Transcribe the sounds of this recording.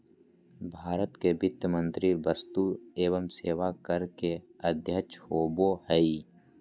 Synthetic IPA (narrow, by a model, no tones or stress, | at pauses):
bʱaːɾət̪kebɪt̪jəmə̃nt̪ɾibəst̪ueːʋəmseːʋakəɾkeəd̪ʱjət͡ʃoːbohɛi